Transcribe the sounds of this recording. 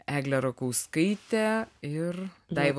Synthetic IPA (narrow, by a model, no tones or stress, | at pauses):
æːɡlʲɛɾokoʊskɐɪt̪ʲɛɪrd̪ɐɪʋ